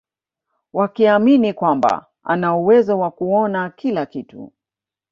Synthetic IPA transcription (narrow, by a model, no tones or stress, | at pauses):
wakiaminikwamba̰ | a̰nauwɛzɔwakuɔnakilakitṵ